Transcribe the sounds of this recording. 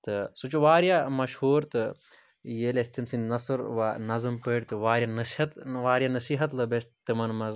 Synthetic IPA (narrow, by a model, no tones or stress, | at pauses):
t̪ɨsut͡ʃuʋaːɾijamɐʃhuːɾt̪ɨ | jeːlest̪imsinnɐsɨɾʋanɐzɨmpəːʈʲt̪ɨʋaːɾʲjanɐsihɐt̪ʋaːɾʲijanɐsiːɦɐt̪lɐbest̪ɨmɐnmɐz